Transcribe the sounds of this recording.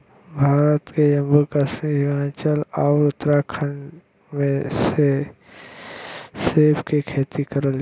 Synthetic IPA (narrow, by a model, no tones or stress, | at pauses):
bʱaːɾət̪kejəmbukəʃmiːɾɪmaːt͡ʃəlaʋɾʊt̪ɾakʰəɳ | mẽse | seːpʰkekʰeːt̪ikəɾəl